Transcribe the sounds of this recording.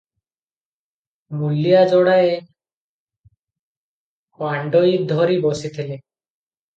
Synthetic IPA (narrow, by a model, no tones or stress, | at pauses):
mulːijad͡ʒɔɽae | kwaɳɖojd̪ʱɔɾibosit̪ʰile